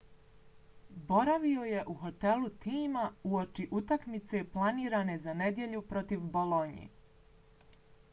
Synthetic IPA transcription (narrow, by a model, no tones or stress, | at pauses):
bo̞ɾaʋio̞je̞ʔuxo̞t̪e̞lut̪iːmauot͡ʃiʔut̪akmit̪se̞plˠaniːɾane̞zane̞d̪je̞ʎupɾo̞t̪iʋbolo̞ɲḛ